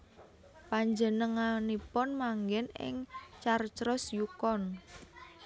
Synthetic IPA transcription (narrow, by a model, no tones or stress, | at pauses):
paɲd͡ʒənəŋanipɔnmaŋɡɛnɪ̰ŋt͡ʃart͡ʃɾɔsjukɔn